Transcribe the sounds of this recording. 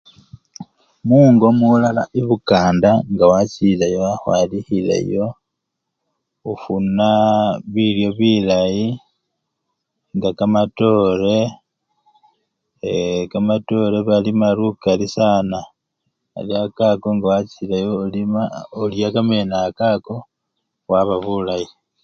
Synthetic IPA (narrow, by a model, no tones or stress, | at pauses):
muːŋɡomulala̰ʔiβukaːndaŋɡawat͡silajoaxwaːlihilḛjo̞ | ufunaβiljo̞βilaji | ŋɡakamato̞ɾe̞ | kamato̞ɾe̞βalimaɾukalisaːna | a̰liakakoŋɡawat͡silajolimaoljakame̞nakako̞ | waβaβulaji